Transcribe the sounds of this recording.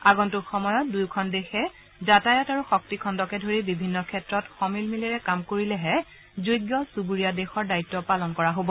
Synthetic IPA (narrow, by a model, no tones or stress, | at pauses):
aɡɔntuxɔmɔjɔt̚dujkʰɔndexɛ | zatajɔtaɹuxɔk̚tikʰɔndɔkɛdʱoɹibibʱinːɔkʰɛtɹɔtxɔmilmilɛɹɛkamkoɹilɛɦɛ | zujɡjɔsubuɹijadexɔɹdaitːɔpalɔnkɔɹaɦobɔ